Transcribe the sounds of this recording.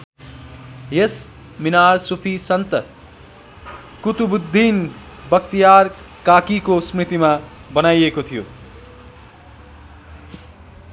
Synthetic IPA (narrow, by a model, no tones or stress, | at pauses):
jes | minaɾsupʰisʌnt̪ʌ | kut̪ubud̪ʱːin | bʌk̚t̪ijar | kakikosmrit̪imabʌnajekot̪ʰijo̰